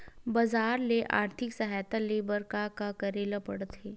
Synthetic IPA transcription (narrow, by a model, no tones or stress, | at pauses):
bɐzaːɾleʔa̰ːɾt̪ʰɪksɐɦaːjt̪alebəɾkakakəɾeːlapəɽt̪ɦe